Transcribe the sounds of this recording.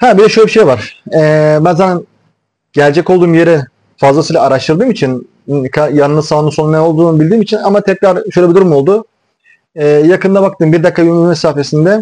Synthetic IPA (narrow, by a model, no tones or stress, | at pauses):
habilʲɛʃoːlʲebiʃejvaɾ̥ɛːbænzanan | ɟ̥ælʲd͡ʒɛcold̪uːmje̞ɾɛ | fazlˠasɯjlˠaːɾaʃt̪ʰɯɾd̪ɯːmit͡ʃʰin | kʰajanɯɯzsavˠnːˠɯso̞nunɛo̞lˠd̪uːnbilʲd̪iːmit͡ʃʰinamat̪ʰɛcɾaɾʃøjlʲebid̪uɾumolˠd̪ʊ | ɛjakɯnd̪abak̚t̪ɯːmbiɾd̪akʰːaymymɛsaːfe̞sind̪ɛ